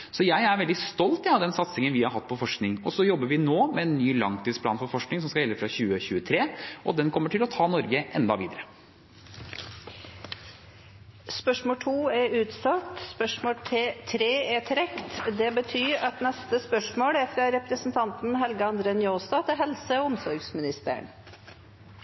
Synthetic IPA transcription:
sɔjæɪæɾʋɛld̪ɪst̪ɔlt̪ɑd̪ɛnsɑt̪sɪŋənʋɪhɑɾɦɑt̪ːpʰɔfɔʂknɪŋɔsɔjɔbːəɾʋɪnoːmɛɛnːyːlɑŋt̪ʰiːspʰlɑːnfɔɾfɔʂknɪŋs̬ɔmskɑjɛlːəfɾɑçʉːəçʉːət̪ʰɾeːʔɔd̪ɛnkʰɔmːəʈɪlɔt̪ʰɑːnɔɾɡəʔɛnd̪ɑ̰ʋiːd̪əɾə | spœʂmoːʈʰuːæɾʉːt̪sɑt̪spœʂmoːlt̪ʰɾeːæt̪ʰɾɛkt̪d̪ɛbət̪ʰyːɾɑt̪nɛst̪əspœʂmoːlæfɾɑɾɛpɾəsn̩t̪ʰɑnt̪n̩ɦɛlɡəɑnd̪ɾeːnjoːst̪ɑt̪ʰɪɦɛlsəɔʊmsɔɾɡsmɪnɪst̪ə̰ɳ

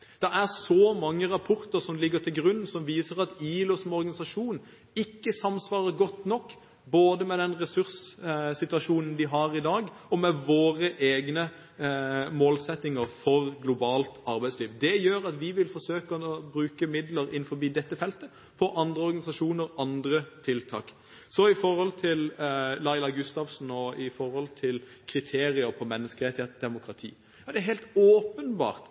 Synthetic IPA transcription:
d̪̥ɛæʁsɔmɑŋːəʁɑpʰɔɾt̪əɾsɔmlɪɡːət̪ʰɪlɡɾʉn̩ːsɔmʋiːsəɾɑt̪iːlɔsɔmɔɾɡɑnɪsɑʂuːn | ɪkːəsɑmsʋɑːɾəɡɔt̪nɔkː | boːd̪əmɛd̪ɛnʁɛsʉɾssɪt̪ʉɑʂuːnən̩d̪ɪɦɑʁɪd̪ɑːɡ | ɔmɛʋoːɾəʔeːɡnə | moːlsɛt̪ːɪŋəɾfɔʁɡlʊbɑːlt̪ɑɾbæɪsliːʋd̪ɛjøːɾɑt̪ʋɪʋɪlfɔɾsøːkəbɾʉːkəmɪd̪ləɾɪnfɔɾbiːd̪ɛt̪ːəfɛlt̪ə | pʰɔʔɑnd̪ʁəɔɾʁɡɑnɪsɑʂuːnəɾɑnd̪ɾət̪ʰɪlt̪ʰɑ̰ːk | sɔɪfɔɾhɔlt̪ʰɪllɑɪlɑɡʉst̪ɑʋsn̩ɔɪfɔɾhɔlt̪ʰɪl | kʰɾɪt̪ʰeːɾɪəɾpʰɔmɛnːəskəɾɛɪt̪ʰɛt̪̚d̪ɛmʊkɾɑt̪ʰḭː | jɑd̪ɛæɾɦɛɪlt̪oːpənbɑ̰ːʁt̪

